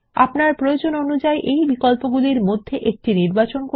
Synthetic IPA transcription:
a̰pnaɾpɾojod͡ʑononud͡ʑaeʔejbikolpoɡuliɾmod̪ʱːeʔek̚ʈiniɾbat͡ɕonko

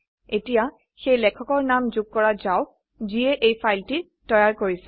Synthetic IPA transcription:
etija | xejlɛkʰɔkɔɹnamzuɡ̚kːɔɹazaʊ | ziɛʔejpʰajlti | tɔjaɹkoɹisɛ̥

